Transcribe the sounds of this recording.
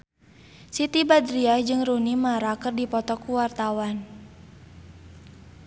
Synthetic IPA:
sit̪ibadɾiahd͡ʒɨŋrunimaɾakɨrdipɔt̪ɔkuwart̪awan

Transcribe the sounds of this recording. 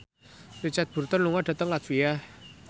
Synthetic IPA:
rit͡ʃat̪̚b̥ṳrt̪ənluŋadɖ̥a̤t̪əŋlat̪̚via

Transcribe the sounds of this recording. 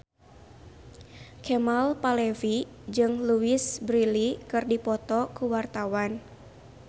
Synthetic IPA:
kʰɛmalpalɛvi | d͡ʒɨŋluisbɾilikɨrdipɔt̪ɔkuwart̪awan

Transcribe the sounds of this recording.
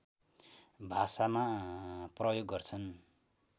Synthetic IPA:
bʱasamaprʌjoɡːʌrt͡sʰʌn

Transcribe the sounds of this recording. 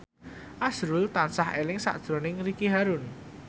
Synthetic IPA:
ʔasɾʊlt̪ansahelɪŋsa̰ʔd̥ʒ̥ɾonɪŋɾikiɦaɾʊn

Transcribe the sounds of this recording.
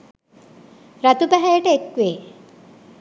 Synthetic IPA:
ɾat̪upæɦæjəʈəekʋeː

